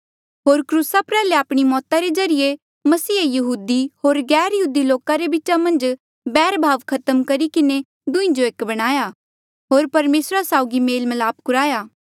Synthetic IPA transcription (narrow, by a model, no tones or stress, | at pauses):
ɦoːɾkɾuːsapɾɛːleaːpɽ̃imɔːt̪aɾed͡ʒɐɾije | mɐsiːjɐɦuːd̪iɦoːɾɡɛːɾjɦuːd̪iloːkaɾebɪt͡ʃamɐ̃nd͡ʒ | bɛːɾbʱaːʋkʰɐt̪əmkɐɾikɪne | d̪ʊ̃ĩd͡ʒoeːkbɐɽ̃aːja | ɦoːɾpɐɾmeːsɾasaːʊɡimeːlmɐlaːp̚kʊɾaːjaː